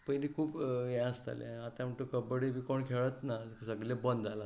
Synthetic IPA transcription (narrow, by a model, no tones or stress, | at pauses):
pəjliːkʰuːpjɛ̃əst̪a̰lɛ̰̃at̪ãm̤əɳt̪ukəbəɽibiːkoɳkʰeɭət̪nasəɡlẽbənd̪ala